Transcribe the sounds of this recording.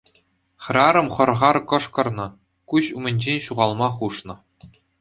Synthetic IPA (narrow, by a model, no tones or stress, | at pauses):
χrɑɾɤ̆mχɤ̆rʁɑrkɤ̆ʂkɤ̆rnɤ̆ | kuɕumʲɘ̆nʲʑenʲɕuʁɑlˠmɑχuʂnɤ̆